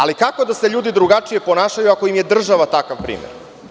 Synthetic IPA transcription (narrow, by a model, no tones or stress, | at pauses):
alikako̞d̪ase̞ʎuːd̪id̪ɾuɡat͡ʃije̞po̞naːʃajuako̞imje̞d̪r̩ʒaʋat̪akaʋpɾḭːmjḛɾ